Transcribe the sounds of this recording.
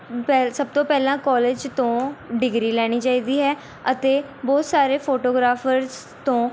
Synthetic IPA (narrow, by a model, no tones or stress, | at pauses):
pɛsəb̚t̪õːpɛːlãːkɔːleːd͡ʒt̪õːɖɪɡɾiːlɛːɽ̃iːt͡ʃaːiːd̪iːɦɛː | ət̪eː | bɔːt̪saːɾeːpʰoːʈoːɡɾaːfʰəɾz | t̪õː